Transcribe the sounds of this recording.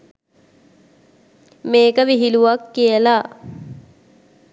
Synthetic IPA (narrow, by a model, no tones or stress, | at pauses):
meːkəʋiɦiluʋakːijəla